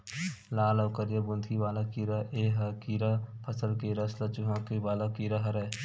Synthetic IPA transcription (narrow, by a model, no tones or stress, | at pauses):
laːlɐːkəɾjəbʊnd̪ʱiʋaːlakiːɾaʔeːɦɐkiːɾapʰəsəlkeɾɐslɐt͡ʃʊɦãːkibaːlakiɾaɦɐɾɛ